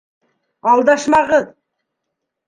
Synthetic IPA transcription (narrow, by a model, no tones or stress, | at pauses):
ɑlˠd̪ɑʃmɑʁə